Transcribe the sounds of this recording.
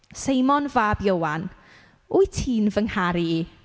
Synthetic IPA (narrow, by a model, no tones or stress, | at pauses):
sejmɔnvaːbjowan | ʊjtʰiːnvəŋhaɾii